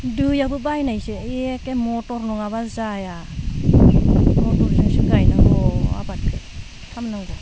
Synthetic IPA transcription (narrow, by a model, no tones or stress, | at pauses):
dujabɯbajnajseeekemɔtɔɾnɔŋaβazaja | mɔtɔɾzɯŋsiɡajnaɡɔa̰bat̚kʰɯ | tʰamnaŋɡa